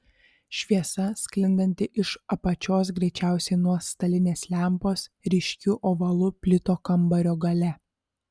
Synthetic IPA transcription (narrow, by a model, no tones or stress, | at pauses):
ʃʲʋʲiɛsɐsʲklʲɪnd̪ɐnʲt̪ʲɪʔɪʃɐpɐt͡ʃʲoːsɡɾʲɛɪt͡ʃʲæˑʊsʲɛɪnuɔst̪ɐlʲɪnʲeːslʲæˑmpoːsɾʲɪʃʲkʲʊʔoːʋɐlˠʊpʲlʲɪt̪oːkɐmbɐɾʲoːɡɐlʲɛ